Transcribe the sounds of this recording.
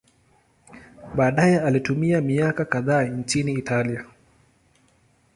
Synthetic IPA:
ɓaːɗajɛalitumiamiakakaðaːnt͡ʃiniːtalia

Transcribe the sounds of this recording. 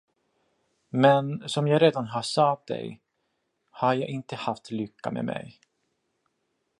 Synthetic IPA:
mɛnsɔmjɑːɡɾeːd̪anɦaʂat̪̚d̪ɛ̰j | haɾjɑːɡɪnt̪əhaft̪lʏkːa̰mʔɛ̰mʔɛ̰j

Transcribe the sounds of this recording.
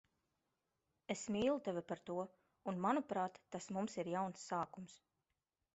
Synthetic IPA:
esmiːlˠut̪ɛvʲipaɾt̪uɔ | unmanupɾaːt̪ːasmumsiɾjawnsːaːkums

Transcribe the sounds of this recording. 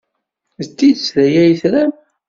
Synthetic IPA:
ðət̪ːid̪əsɾæjæjθɾæm

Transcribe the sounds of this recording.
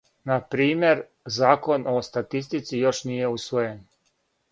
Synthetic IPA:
napɾiːmje̞ɾ | zaːko̞nʔo̞st̪at̪ist̪it̪sijo̞ʃnije̞usʋojen

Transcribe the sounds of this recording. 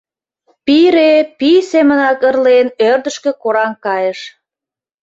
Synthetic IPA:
piɾepisemə̆nɑkərlenørd̪əʃkĕkoɾɑŋkɑjeʃ

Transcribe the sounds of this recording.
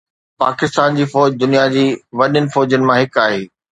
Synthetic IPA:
paːkɪst̪aːnd͡ʑiːfɔːd͡ʑd̪ʊnijad͡ʑiːʋɐɗənɪ̆fɔːd͡ʑənɪ̆mãɦɪkaːɦeː

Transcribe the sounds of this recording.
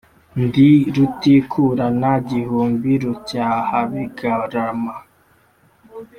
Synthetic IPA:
ndiɾutikʰuɾanaɟihuːmbiɾucaːhaβiɡaɾama

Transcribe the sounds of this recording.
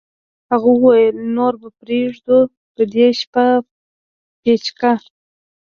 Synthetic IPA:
haɣuwwajəlnoɾbapɾeʐd̪o | d̪̥əd̪eʃpa | pet͡ʃka

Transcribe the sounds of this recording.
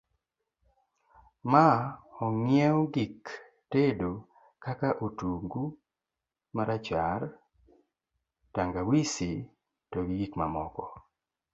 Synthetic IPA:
maɔŋjeoɡik | tedo | kakaʔotuŋɡu | maɾat͡ʃar | taŋɡawisi | toɡiɡikmamɔkɔ

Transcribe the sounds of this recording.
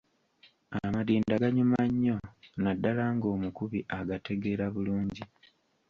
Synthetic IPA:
amadiːndaɡaɲumaɲːo̞nadːalaːŋɡo̞ːmukuβiʔaɡate̞ɡe̞ɾaβuluːɲɟi

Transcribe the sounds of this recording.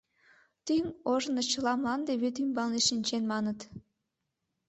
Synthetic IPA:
t̪yŋoʒə̆nɤt͡ɕə̆lɑmlˠɑnd̪eβøt̪ymbɑlneʃinʲt͡ɕenmɑnət̪

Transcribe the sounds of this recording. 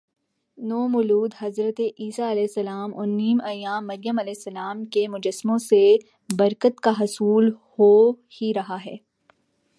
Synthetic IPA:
noːmʊluːd̪ɦɐzɾət̪eʔiːsaɐlɛːsːɐlaːmʊːɾnːiːmɐjaːmːɐɾjəmɐlɛːsːɐlaːmkemʊd͡ʒəsːmõse | bɐɾkət̪kaɦɐsuːlho | hiɾɐɦaɦɛː

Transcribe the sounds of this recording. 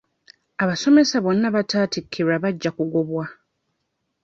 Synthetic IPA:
aβaso̞me̞saβo̞nːaβataːtikʰːiɾaβaɟːakuɡoβwa

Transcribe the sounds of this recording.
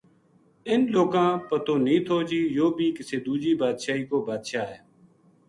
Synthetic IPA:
ɪnloːkãːpət̪oːnĩːt̪ʰoːd͡ʒiːjoːbʱiːkɪseːd̪uːd͡ʒiːbaːd̪ʃaːiːkoːbaːd̪ʃaːɦɛː

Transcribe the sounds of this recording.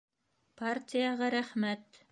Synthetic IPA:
partʲijɑʁɑɾæχmæt̪

